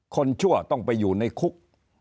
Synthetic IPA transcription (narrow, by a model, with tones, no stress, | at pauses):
kʰo˧nt͡ɕʰu˥˩ɐt̪ɔ˥˩ŋpa˧jːuː˨˩na˧jkʰu˦˥k̚